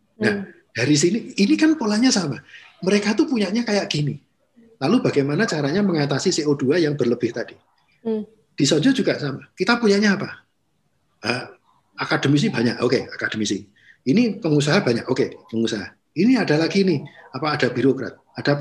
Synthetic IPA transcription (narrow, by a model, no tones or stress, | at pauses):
nah | d̥aɾis̬iniːnikanpolaɲasama | məɾekat̪upuɲaʔɲakajaʔɡ̥ini | lalubaɡajmanat͡ʃaɾaɲaməŋat̪asiseʔod̥uajaŋb̥ərləb̥ɪht̪ad̥i | d̥isɔɲd͡ʒɔd͡ʒuɡasamakit̪apuɲaʔɲaːpa | ə | akad̥əmis̬iba̤ɲako̰keakad̥əmisi | inipəŋus̬aɦabaɲakokepəŋusaɦa̰ | iniad̥alaɡiːniapaːd̥abi̤ɾokɾa̰t̪̚ad̥a